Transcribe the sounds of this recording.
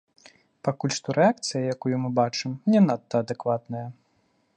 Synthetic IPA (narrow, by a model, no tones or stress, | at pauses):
pakulʲʂt̪ɔɾɛak̚t̪sɨjɐjakujumɨbat͡ʂɨmnʲɛnat̪ːɐːd̪ɛkvat̪nɐjɐ